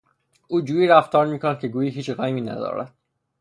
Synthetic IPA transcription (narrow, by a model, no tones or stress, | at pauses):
ʔuːd͡ʒuːiːɾæft̪ɒːɾmiːkʰonæd̪̚cʰeɡuːjiːɦiːt͡ʃɢæːmiːnæ̰d̪ɒ̰ːɾæ̰d̪̥̚